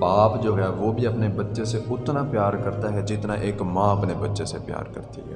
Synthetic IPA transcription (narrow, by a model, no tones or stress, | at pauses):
paːpd͡ʒoːɡɛaːʋoːbʱiːəpneːbətːʃeseʊt̪nãːpjaːɾkəɾt̪aːɦɛd͡ʒɪt̪nãːʔeːkmãːəpneːbətːʃeːsepja̰ːɾkə̰ɾt̪ḭɦɛ̰ː